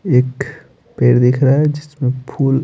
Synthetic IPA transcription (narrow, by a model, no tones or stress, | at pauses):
eːk | peːɽd̪ekʰɾaɦɛd͡ʒɪsmẽpʰuːl